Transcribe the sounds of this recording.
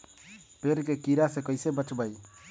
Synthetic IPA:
peɾkekiɾasekəjsebət͡ʃbaj

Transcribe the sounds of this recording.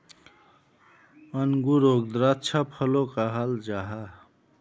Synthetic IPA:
ʌnɡuɾoɡ̚d̪ɾatːt͡ʃʰapʰəlokaɦald͡ʒaɦa

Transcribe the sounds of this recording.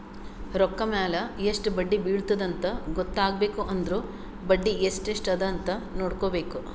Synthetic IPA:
ɾɔkːɐmaːlɐeʂʈbɐɖːibiːɭt̪ɐd̪ɐnt̪ɐɡɔt̪ːaːɡ̚be̞ːkuʔɐnd̪ɾuː | bɐɖːiesʈeʂʈɐd̪ɐnt̪ɐnoːɽkoːbe̞ːku

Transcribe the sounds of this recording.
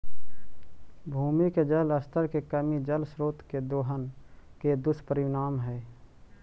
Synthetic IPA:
bʱuːmiked͡ʒələst̪ʰəɾkekəmid͡ʒəlsɾoːt̪ked̪oːɦənked̪ʊspəɾɪnaːmɦɛː

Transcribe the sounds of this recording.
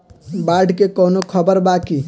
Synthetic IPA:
baɖkekənokʰəbəɾbaki

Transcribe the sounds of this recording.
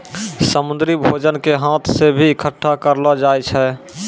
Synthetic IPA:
səmũnd̪ɾibʱod͡ʒənkeɦãt̪ʰsebʱiːkʰəʈʰːakəɾlɔd͡ʒajt͡ʃʰɛ

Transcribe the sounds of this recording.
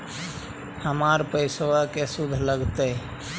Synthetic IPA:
həmaɾpəɪswəkesud̪ʱləɡt̪ə

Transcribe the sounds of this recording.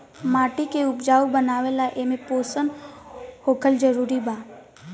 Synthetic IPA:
maːʈikeʊpd͡ʒaːubənaːʋelaʔemẽpoːsən | hoːkʰəld͡ʒəɾuːɾibaː

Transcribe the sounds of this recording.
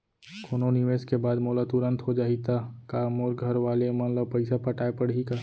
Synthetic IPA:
kʰoːnonɪʋeːskebaːd̪moːlat̪ʊɾə̃nt̪ɦod͡ʒaːit̪akaːmoːɾɡʱɐɾʋaːlemɐnləb̚pɐɪsapɐʈaːepəɽ̤ika

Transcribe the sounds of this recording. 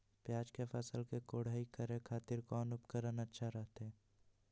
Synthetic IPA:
pjaːd͡ʒkefʰɐsəlkekoːɽ̤aːikəɾẽkʰaːt̪ɪɾkɔːnʊpkəɾənətːʃʰaɾəɦt̪ɦɛː

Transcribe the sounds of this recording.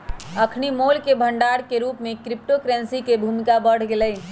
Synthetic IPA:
əkʰnimolkebʱəɳɖaɾkeɾupmekɾip̚ʈokɾɛnsikebʱumikabəɽ̤ɡeləj

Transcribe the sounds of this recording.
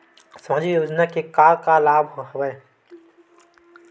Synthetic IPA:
sɐmaːd͡ʒijoːd͡ʒnakekaːɾkalaːbʱɦɦɐbəe

